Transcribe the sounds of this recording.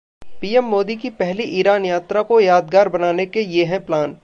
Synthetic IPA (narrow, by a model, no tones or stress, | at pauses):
piːɛmːoːd̪ikipɛɦliʔiːɾaːnjaːt̪ɾakojaːd̪ɡaːɾbɐnaːnekejeɦɛ̃plaːn